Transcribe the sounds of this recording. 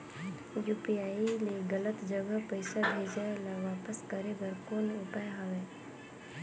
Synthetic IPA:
juːpiaːileɡələt̪d͡ʒəɡapəɪsabʱeːd͡ʒaːelaʋaːpəskəɾebəɾkoːnʊpaːjɦaʋeː

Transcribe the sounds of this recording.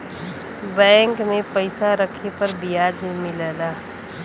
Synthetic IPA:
bɛ̃ːŋkmẽpəɪsaɾəkʰepəɾbijaːd͡ʒmɪlɛlaː

